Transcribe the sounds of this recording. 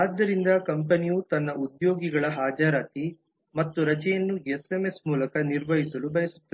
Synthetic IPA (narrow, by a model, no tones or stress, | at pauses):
aːd̪ːɐɾind̪ɐkɐmpɐnijut̪ɐnːɐud̪joːɡiɡɐɭɐɦaːd͡ʒaɾaːt̪i | mɐt̪ːuɾɐt͡ʃɛjɐnːuesemesmuːlɐkɐniɾʋɐɦisɐlubɐjɐsu̥t̪ːɐe